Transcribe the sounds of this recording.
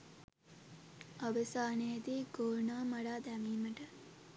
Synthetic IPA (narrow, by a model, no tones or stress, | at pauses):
ɐʋəsaːnejet̪iːɡoːnaːmɐɽaːd̪æmiːməʈə